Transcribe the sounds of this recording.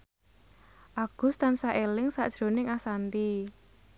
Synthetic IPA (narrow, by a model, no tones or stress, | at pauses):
ʔaɡ̥ʊ̤st̪ansaʔelɪŋsa̰ʔd̥ʒ̥ɾo̤nɪŋasant̪i